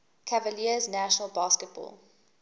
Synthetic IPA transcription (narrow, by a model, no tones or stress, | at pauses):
kʰavəliəznæʃənəlˠbɑːˑskət̚b̥ɔ̰ːlˠ